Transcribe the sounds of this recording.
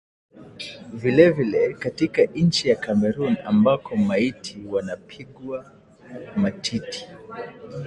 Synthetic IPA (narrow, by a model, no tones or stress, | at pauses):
vilɛvilɛkatikan̩t͡ʃijakamɛɾunambakʰɔmaitʰiwanapʰiɠwa | matʰiti̥